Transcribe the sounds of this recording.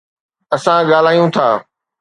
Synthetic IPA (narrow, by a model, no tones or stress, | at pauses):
ɐsãɠaːl̤aːijũt̪ʰaː